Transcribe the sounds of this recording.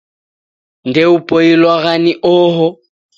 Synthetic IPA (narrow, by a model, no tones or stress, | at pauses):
ndɛupʼoilwaɣaniʔɔːɦɔ